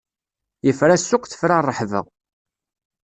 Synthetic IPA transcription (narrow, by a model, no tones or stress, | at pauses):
jəfɾæsːʊqθə̥fɾarˤːəħvə̰ʁ